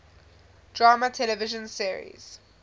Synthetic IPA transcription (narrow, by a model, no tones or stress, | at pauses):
d̥ɹaːmatʰɛlɛvɪʒə̃nsiəɹḭz̥